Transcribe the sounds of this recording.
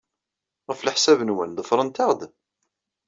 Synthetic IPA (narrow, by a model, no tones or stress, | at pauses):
ʁəfləħsævənwənðˤəfɾˤənt̪ɑʁd̪